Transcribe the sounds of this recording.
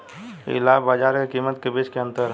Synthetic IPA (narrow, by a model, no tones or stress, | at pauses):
ḭlabad͡ʒaːɾkekimət̪kebet͡ʃkeənt̪əɾ